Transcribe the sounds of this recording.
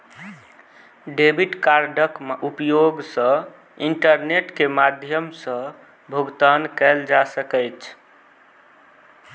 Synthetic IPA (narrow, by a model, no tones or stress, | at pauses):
ɖebiʈkaɾɖʱəkupjoɡsə̃ | iɳʈəɾneʈkemad̪ʱjəmsə̃ | bʱuɡt̪ankɛld͡ʒasəkɛjt͡ʃʰ